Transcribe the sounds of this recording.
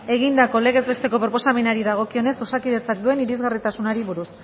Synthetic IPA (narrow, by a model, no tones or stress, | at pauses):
e̞ɣ̞ind̪ako̞le̞ɣe̞zβe̞st̪e̞ko̞pɾopo̞samenaɾiðaɣ̞o̞kio̞ne̞so̞sakið̞e̞t͡sak̚d̪ue̞niɾizɣarit̪asunaɾiβuɾus